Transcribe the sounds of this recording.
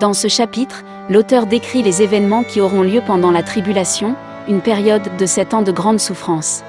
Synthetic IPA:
d̪̥ɑ̃səʃapit̪χ | lot̪œʁd̪ekχilezevɛnmɑ̃kʲiɔʁɔ̃ljøpɑ̃d̪ɑ̃lat̪χibylasjɔ̃ | ynpɛʁjɔd̪ːəsɛt̪ɑ̃d̪əɡʁɑ̃d̪sufχɑ̃s

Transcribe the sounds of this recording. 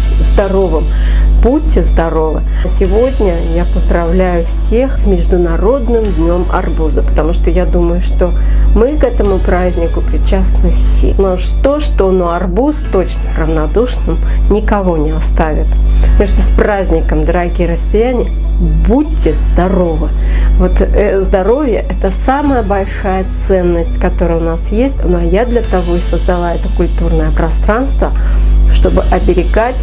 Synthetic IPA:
zd̪ɐɾo̞vɨm | butʲːɪzd̪ɐɾo̞vɨ̰ | sʲɪvo̞dʲnʲə | japəzd̪rɐvlʲæjʊfsʲexsʲmʲɪʐd̪ʊnaɾo̞d̪nɨmd̪ʲnʲo̞mɐ̰rbuzəpə̥t̪ɐmuʂt̪ojad̪uməjʊʂt̪o̞ | mɨkɛt̪əmʊpɾazʲnʲɪkʊpɾʲɪt͡ɕasnɨfsʲḛnɐʂt̪oʂt̪onoɐrbust̪o̞t͡ɕnərəvnad̪uʂnɨm | nʲɪkɐvo̞nʲɪɐst̪avʲɪ̰t̪pnʲeʂt̪əsprazʲnʲɪkəmd̪əɾɐɡʲirəsʲːɪjænʲɪjə | but̚ʲːɪzd̪ɐro̞vɨ | vo̞t̪ɛzd̪ɐɾo̞vʲɪjəʔɛt̪əsaməjəbɐlʲʂajət̪sɛnːəsʲtʲkɐt̪o̞ɾəjəʊnasjesʲtʲnɐjad̪lʲɐt̪ɐvo̞ɪsəzd̪ɐlˠaɛt̪əkʊlʲt̪urnəjəpɾɐst̪ɾanst̪və | ʂt̪o̞bɨʔɐbʲɪɾʲɪɡatʲ

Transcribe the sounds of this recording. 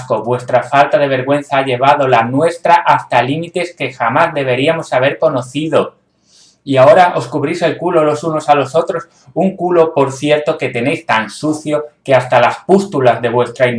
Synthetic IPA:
sko̞βwe̞st̪ɾafalt̪aðe̞β̞e̞ɾɣwẽ̞n̟θaaʎe̞β̞að̞o̞lanwe̞st̪ɾaʔast̪alimit̪e̞ske̞xamazðe̞β̞e̞ɾiamo̞saβ̞e̞ɾko̞no̞θiðo̞ | iao̞ɾaʔo̞skuβɾise̞lkulo̞lo̞suno̞salo̞so̞t̪ɾo̞s | uŋkulo̞po̞ɾθje̞ɾt̪o̞ke̞t̪e̞ne̞jst̪ansuθjo̞ke̞ast̪alaspust̪ulazðe̞βwe̞st̪ɾain

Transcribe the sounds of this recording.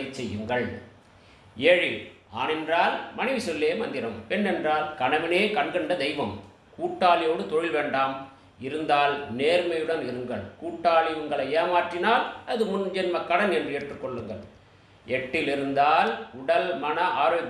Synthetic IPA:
t͡ʃːɛjːɯŋɡɐɭ | eːɻi | aːnɛndraːlmɐnɐɪʋisɔlːeːmɐ̰nd̪ɪɾɐmpɛnːɛndraːlkɐɳɐʋɪneːkɐɳɡɐɳɖɐd̪ɛɪʋɐm | kuːʈːaːlɪjoːɽɯt̪ɔɻɪlʋeːɳɖaːm | ɪɾɯnd̪aːlneːɾmɐjɯɽɐnɪɾɯŋɡɐɭkuːʈːaːlɪʊŋɡɐɭɐeːmaːʈrɪnaːlɐðɯmʊnd͡ʒɛnmɐkɐɽɐnɛndrɯeːʈrɯkːɔɭːɯŋɡɐɭ | ɛʈːɪlɪɾɯnd̪aːlʊɽɐlmɐnɐʔaːɾoːɡ

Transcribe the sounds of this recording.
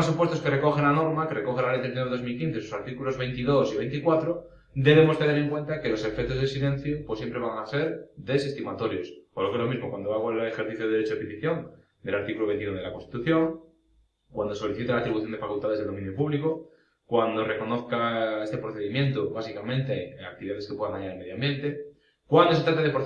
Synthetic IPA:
supwe̞st̪o̞ske̞reko̞xenano̞ɾmakereko̞xenalejt̪eθinaðo̞zmilkinθesosaɾt̪ikulo̞zβe̞jnt̪iðo̞siβejnt̪ikwat̪ɾo | d̪e̞β̞e̞mot̪e̞ne̞ɾe̞ŋkwe̞nt̪ake̞lo̞se̞fek̚t̪o̞zðesilẽ̞n̟θjopwo̞sjempɾeβaŋase̞ɾðe̞sest̪imat̪o̞ɾjo̞spolokelo̞mizmokwand̪oaɣoalexeɾθiθjoðeeɾet͡ʃopit̪iθjo̞ŋ | d̪e̞laɾt̪ikuloβe̞nt̪iunðelako̞nst̪i̥t̪uθjo̞ŋ | kwand̪oso̞liθit̪alaːt̪ɾiβuθjonefakult̪aðezðeðo̞ĩnjopuβliko | kwand̪o̞re̞ko̞no̞θkae̞st̪e̞pɾoθe̞ðimjẽ̞nt̪oβasikamẽ̞nt̪eak̚t̪iβiðaðeskepwe̞ðaŋaɲaɾeme̞ðjoambje̞nt̪e̞ | kwand̪oset̪ɾat̪eðe̞pɾo

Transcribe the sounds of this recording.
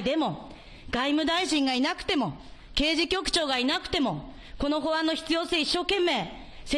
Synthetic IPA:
d̪e̞mo̞ | ɡ̥aimɯ̟d̪aiɕĩŋɡainakɯ̟̥t̪e̞mo̞ | ke̞ːʑikʲo̞kɯ̟̥t͡ɕo̞ːɡainakɯ̟̥t̪e̞mo̞ | ko̞no̞ɦo̞βãnːoçi̥t͡sɨjo̞ːseiɕːo̞ːkẽ̞mːe̞ː | se

